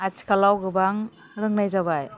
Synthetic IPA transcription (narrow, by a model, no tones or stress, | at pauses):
at͡ʃkalawɡɯbaŋ | ɾɯŋnajzaβaj